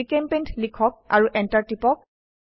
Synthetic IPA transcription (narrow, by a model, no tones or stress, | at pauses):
ikempentʰlikʰɔk̚a̰ɹuʔɛntaɹtipɔk̚